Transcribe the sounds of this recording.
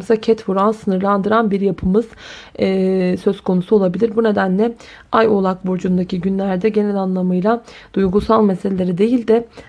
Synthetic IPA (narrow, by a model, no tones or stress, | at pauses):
sacʰɛt̪vuɾansɯnɯɾlˠand̪ɯɾanbiɾjapʰɯmɯz̥ː | sø̞zkʰo̞nusuo̞lˠabilʲiɾbune̞d̪ænlʲɛ | ajo̞lˠakbuɾd͡ʒund̪acʰiɟynlʲæɾd̪ɛɟe̞nɛlʲanlˠamɯjlˠad̪̥ujɡusalˠmeselʲe̞lʲe̞ɾid̪e̞jilʲd̪ɛ